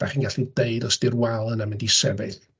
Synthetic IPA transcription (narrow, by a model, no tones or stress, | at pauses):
aχiːnɡaɬideɨdɔsd̥ɪrwalˠənamɪndisɛ̰beθ